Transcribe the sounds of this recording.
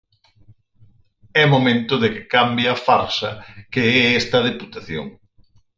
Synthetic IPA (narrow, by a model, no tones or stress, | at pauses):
ɛmomẽnt̪ʊðɪkɪ̥kambjɐafaɾsɐkeɛɛst̪ɐð̞eput̪aθjo̰ŋ